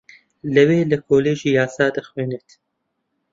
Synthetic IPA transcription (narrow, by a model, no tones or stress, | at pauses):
lɨweːlɨkʰoːleːʒiːjaːsɑːd̪ɨxweːnet̪